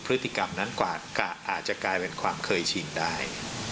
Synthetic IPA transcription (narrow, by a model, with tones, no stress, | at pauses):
pʰɾɯ˦˥t̪ːi˧˩ka˧mna˦˥nkwaː˨˩kaː˨˩ʔaː˨˩t̪̚t͡ɕa˨˩klaː˧jpe˧nkʰwaː˧mkʰɤː˧jt͡ɕʰi˧ndaː˥˩j